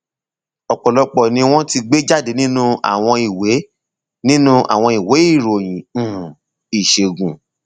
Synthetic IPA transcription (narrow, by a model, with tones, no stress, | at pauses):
ɔ˨k͡pɔ˨lɔ˧k͡pɔ˨nĩ˧˦w̃ɔ̃˦ti˧ɡ͡be˦d͡ʒa˦˨de˨˦nĩ˦nũ˦a̰˨w̃ɔ̃˧i˨we˨˦ | nĩ˦nũ˦ʔa̰˨w̃ɔ̃˧i˨we˨˦i˦˨ɾo˨j̃ĩ˨ | i˨ʃe˨ɡũ˨